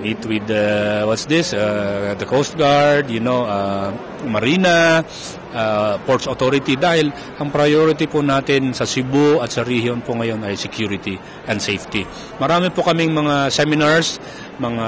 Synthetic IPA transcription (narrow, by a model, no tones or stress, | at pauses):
ʔit̪wɪd̪ɐwɐt̪sd̪ɪsad̪ɐkowst̪̚ɡaɹd̪jʊnowa | mɐɾiːnɐ | ʔapoɹt̪sot̪oɾɪt̪id̪aːhɪl | ʔɐŋpɾɐjoɾɪt̪ipʊnaːt̪ɪnsɐsɪboʔɐt̪sɐɾihjonpʊŋɐjo̞nɐjsɛkjuːɾɪt̪i | ʔɐnd̪sejft̪ɪ | mɐɾaːmɪpokɐmɪŋmɐŋasɛmɪnaɹs | mɐŋa